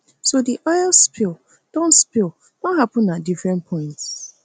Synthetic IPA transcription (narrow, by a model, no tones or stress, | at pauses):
sodiʔajlspil | d̥ɔ̃nspil | d̥ɔ̃nɦapʊ̃nːadifɾɛ̃npʰɔ̃ɪ̃nts